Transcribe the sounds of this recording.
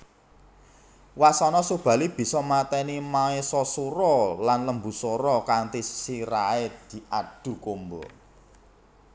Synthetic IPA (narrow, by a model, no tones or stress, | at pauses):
wasɔnɔsub̥ä̤lib̥i̤sɔmat̪ɛnimaesɔsuɾɔlanləmbṳsɔɾɔkaŋt̪isiɾaed̪̥i̤ʔaɖ̥ṳkombɔ